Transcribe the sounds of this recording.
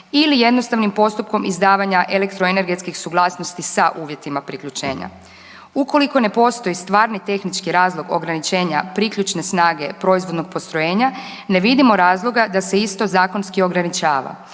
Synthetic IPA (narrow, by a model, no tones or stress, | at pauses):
ilije̞d̪no̞st̪aʋnimpo̞st̪upko̞mizd̪aːʋaɲaʔelekt̪ɾo̞ene̞ɾɡe̞t̪skixsuɡlˠaːsno̞st̪isaʔuːʋje̞t̪imapɾikʎut͡ʃe̞ːɲa̰ | uko̞liko̞ne̞po̞st̪o̞jist̪ʋaːɾnit̪e̞xnit͡ʃkiɾaːzlˠo̞ɡo̞̰ɡɾanit͡ʃe̞ːɲapɾikʎʲut͡ʃne̞snaːɡe̞pɾo̞izvʋo̞d̪no̞ɡ̚po̞st̪ɾoje̞ːɲa | ne̞ʋid̪imo̞ɾaːzlˠo̞ɡad̪ase̞ist̪o̞zaːko̞nskio̞ɡɾanit͡ʃaːʋa̰